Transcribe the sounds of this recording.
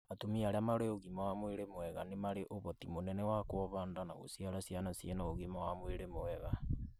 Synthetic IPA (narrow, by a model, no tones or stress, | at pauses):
atomiaɾeamaɾeoɣimawamweɾemoɛɣanemaɾeʔoβɔtimonɛnɛwakwɔβaːndanaɣo̰siaɾasijanasjenaoɣimawamweɾemoɛɣa